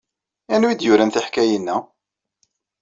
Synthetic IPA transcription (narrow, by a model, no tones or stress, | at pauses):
ænwid̪jʊɾænθiħkæjinːæ